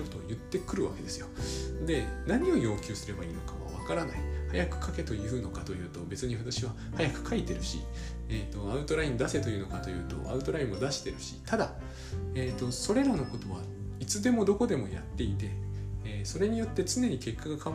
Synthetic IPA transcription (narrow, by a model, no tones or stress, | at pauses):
ot̪ːo̞jɯ̟t̪ːe̞kɯ̟ɾɯ̟βa̰ke̞d̪e̞sɨjo̞d̪e̞naɲ̟io̞jo̞ːkʲɨːsɨɾe̞baiːno̞kaβa̰βa̰kaɾanaihajakɯ̟̥kʰake̞t̪o̞jɯɯno̞kat̪o̞jɯ̟ːt̪o̞be̞t͡sɨɲ̟iβat̪aɕiβa | hajakɯ̟̥kʰait̪e̞ɾɯ̟ɕḭ | eːt̪o̞aɯ̟t̪o̞ɾaĩnd̪ase̞t̪o̞jiɯ̟no̞kat̪o̞jɯ̟ːt̪o̞̰ʔa̰ɯ̟t̪o̞ɾaĩmod̪aɕi̥t̪e̞ɾɯ̟ɕi̥̰t̪ad̪a | eːt̪ːo̞so̞ɾe̞ɾano̞ko̞t̪o̞βa | it͡sɨd̪e̞mo̞d̪o̞ko̞d̪e̞mo̞ja̰t̪ːe̞it̪e̞ː | so̞ɾe̞ɲ̟ijo̞t̪ːe̞t͡sɨne̞ɲ̟ike̞kːaɡakʰã